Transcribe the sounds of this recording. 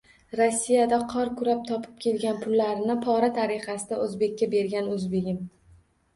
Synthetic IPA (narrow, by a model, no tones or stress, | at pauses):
ɾosːijad̪aqʰɒɾkʰʊɾap̚t̪ʰɒpʰɪ̥p̚kʲʰe̞lɡʲanpʰʊlːaɾɪnɪpʰɒɾat̪ʰaɾɪχasɪd̪aɵzbe̞kʲːabe̞ɾɡʲanɵzbe̞ɡʲɪm